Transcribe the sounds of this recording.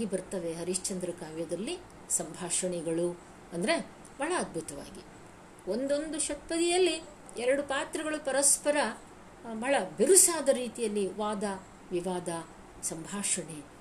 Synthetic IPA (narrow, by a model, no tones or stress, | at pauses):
ɡibɐɾt̪ɐʋe̞ɦɐɾiʃt͡ʃɐnd̪ɾɐkaːʋjɐd̪ɐɾlːi | sɐmbʱaːʂɐɳɛɡɐɭu | ɐnd̪ɐɾe̞ | bɐɭɐːd̪̚bʱut̪ɐʋa̰ːɡi | o̞nd̪o̞nd̪uʃɐʈ̚pɐd̪ijɐlːi | ɛɾɐɽupaːt̪ɾɐɡɐɭupɐɾɐspɐɾɐ | bɐɭɐbiɾusaːd̪ɐɾiːt̪ijɐlːiʋaːd̪ɐ | ʋiʋaːd̪ɐ | sɐmbʱaːʂɐɳe